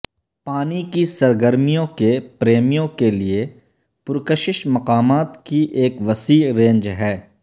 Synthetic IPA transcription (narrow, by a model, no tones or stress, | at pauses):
paːnikisɐɾɡəɾmijõkepɾeːmijõkelie | pʊɾkəʃɪʃmɐqaːmaːt̪kiʔeːkʋɐsiːɾẽːɲd͡ʒɦɛː